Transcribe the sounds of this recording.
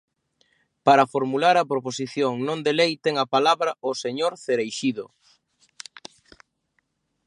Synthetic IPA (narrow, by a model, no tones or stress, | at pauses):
paɾɐfoɾmulaɾɐpɾoposiθjoŋnõnd̪elejt̪ɛŋɐpalaβɾɐʔoseɲoɾθeɾejʃiðo